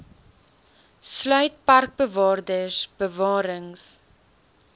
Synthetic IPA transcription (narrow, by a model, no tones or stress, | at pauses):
slœɥt̚pɐrk̚bəvɑːrdəsb̥əvɑːɾəŋs